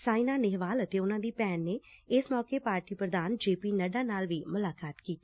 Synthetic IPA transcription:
saːinaːnɪɦʋaːlət̪eːʊnãːd̪iːpɛːnːeːɪsmɔːkeːpaːɾʈiːpɾəd̪aːnd͡ʒeːpiːnəɖãːnaːlʋiːmʊlaːkaːt̪kiːt̪i̥ː

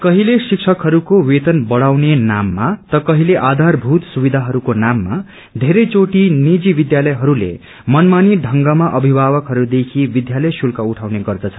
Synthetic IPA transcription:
kʌɦilesiksʰʌkɦʌɾukowet̪ʌnbʌɽ̤awnenamːat̪ʌkʌɦileʔad̪ʱarbʱut̪subid̪ʱaɦʌɾukonamːa | d̪ʱeɾʌjt͡soʈinid͡zibid̪jalʌjɦʌɾulḛ | mʌnmaniɖʱʌŋɡamaʔʌbʱibʱawʌkɦʌɾud̪ekʰibid̪jalʌjsulkauʈʰawneɡʌrd̪ʌt͡sʰʌ̥n

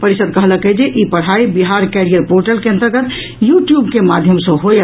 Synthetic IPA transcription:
pəɾisəd̪̚kəɦləkəd͡ʒeʔipəɽ̤aibiɦaɾkɛɾijəɾpoɾʈəlkẽənt̪ɾəɡət̪ | juʈjubkemad̪ʱjəmsə̃ɦo

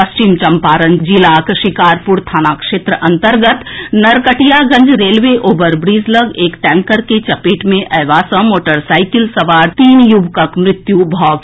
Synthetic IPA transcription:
ɐst͡ʃiːmt͡ʃɐmpaːɾənd͡ʒilaːkʃɪkaːɾpʊɾt̪ʰaːnaːkʃeːt̪ɾəʔɐ̃nt̪əɾɡət̪nɐɾkəʈijaɡə̃ɲd͡ʒɾeːlʋeʔoːbəɾbɾiːzləɡeːkʈ̪ɛ̃ːŋkəɾket͡ʃɐpiːʈmẽʔɛːʋaːsə̃moːʈəɾsaːɪkɪlsɐʋaːɾt̪iːnjubkəkmɾɪt̪jubʱɔːɡ

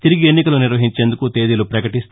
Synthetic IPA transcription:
t̪iɾiɡienːikɐluniɾʋɐɦiɲt͡ʃeːnd̪ukut̪eːd̪ilupɾɐkɐʈist̪

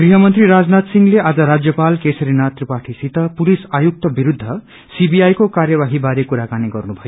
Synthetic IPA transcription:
ɡriɦʌmʌnt̪riɾad͡znat̪siŋleʔad͡zʌɾad͡zjʌpalkesʌɾinat̪ripaʈʰisit̪ʌpulisajuk̚t̪ʌbiɾud̪ʱːʌ | sibiajkokarjʌbaɦibaɾekuɾakaniɡʌrnubʱʌjo

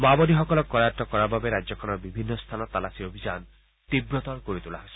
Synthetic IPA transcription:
mabɔdiɦɔkɔlɔkːɔɾatɔkɔɾababeɾad͡ʒɔkʰɔnɔɾbibʱinːɔst̪ʰanɔt̪alasiɾobʱid͡ʒan | t̪ibɾɔt̪ɔɾkoɾit̪ulaɦojsi

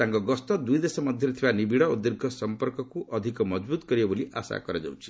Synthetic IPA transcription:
t̪aŋkɔɡɔst̪ɔd̪ujd̪esɔmʌd̪ʱjʌɾt̪ʰibanibiɽɔud̪ːeɾɡʱɔsɔmpɔɾkɔkuʔɔd̪ʱikɔmɔd͡ʒbut̪kɔɾibɔboliʔa̰sa̰kɔɾɔd͡ʒa̰wt͡ʃʰi̥

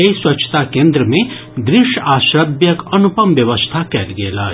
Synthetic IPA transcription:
eiswɐtːt͡ʃʰə̥t̪akẽːnd̪ɾəmẽ | d̪ɾɪʃaːʃɾəbjəkɐnupəmʋjəʋəst̪ʰakɛːlɡela̰ː

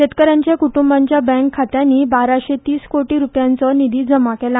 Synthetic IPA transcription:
ɕet̪kəɾãɲt͡ɕjakuʈumbãɲt͡ɕjabɛ̃ŋkʰːat̪janːiːbaɾaɕet̪iːskoʈiːɾupjãnt͡sɔnid̪iːd͡zəmakela

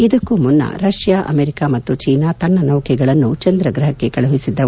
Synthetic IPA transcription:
id̪ɐkːumunːɐ̰ɾɐʂjaːʔɐ̰meɾikaːmɐt̪ːut͡ʃiːnaːt̪ɐnːɐnɐwkʰɛɡɐɭɐnːut͡ʃɐnd̪ɾɐɡɾɐɦɐkːe̞kɐɭuɦisid̪ːɐ

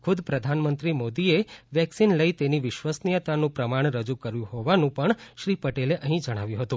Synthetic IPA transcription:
kʰʊd̪pɾəd̪ʱanmənt̪ɾimod̪ieʋjɛksinləit̪eniʋɪʃʋasnijət̪anũpɾəmaɳ̃ɾəd͡ʒukəɾjũhoʋanũpəɳʃɾipəʈeleʔəɦĩd͡ʒəɽ̃aʋjũɦət̪ũ

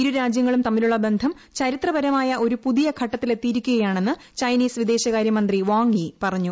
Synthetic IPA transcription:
iɾuɾaːd͡ʑjɐŋːɐɭumt̪ɐmːiluɭːɐbe̞nd̪ʱɐm | t͡ɕɐɾit̪rɐbɐɾɐmaːjɐʔo̞ɾupuðijɐɡʰʱɐʈːɐt̪ːile̞t̪ːiɾikʲːuɣɐjaːɳe̞nːɨ | t͡ɕɐjniːsʋid̪e̞ːɕɐɣaːɾjɐmɐnd̪riʋaːŋipɐrɐɲːu

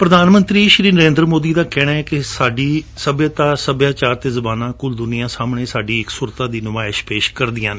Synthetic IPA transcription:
pɾəd̪aːnmə̃nt̪ɾiːʃɾiːnəɾẽːnd̪ɾmoːd̪iːd̪aːkɛːɽaːɛːkɪsaːɖiːsəbjaːt̪aːsəbjaːt͡ʃaːɾt̪eːzəbaːnãːkʊld̪ʊnijãːsaːmɳeːsaːɖiːɪksuːɾt̪aːd̪iːnʊʋaːɪʃpeːʃkəɾd̪ɪjãːn

